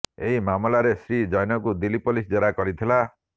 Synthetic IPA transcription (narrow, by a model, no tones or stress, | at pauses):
eɦimamɔlaɾesɾid͡ʒajnɔkud̪ilipɔlisd͡ʒeɾakɔɾit̪ʰila